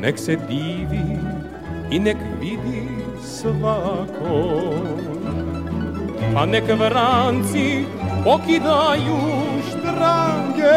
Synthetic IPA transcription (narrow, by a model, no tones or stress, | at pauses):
nɛksɛd̪ivi | inɛkvid̪i | səvakʰo | panɛkvɾant͡sipɔkid̪ajuʃt̪ɾaŋɡɛ